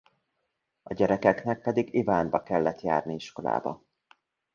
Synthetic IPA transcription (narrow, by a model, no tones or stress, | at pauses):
ɒɟɛɾɛkɛknɛk̚pɛd̪iɡivaːnbɒkɛlːɛt̪ja̰ːrniiʃko̞la̰ːbɒ̰